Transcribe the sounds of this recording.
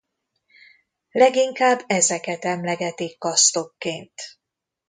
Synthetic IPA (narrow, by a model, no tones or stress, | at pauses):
lɛɡiŋkaːbːɛzɛkɛt̪ɛmlɛɡɛt̪ikːɒst̪o̞kːeːnt̪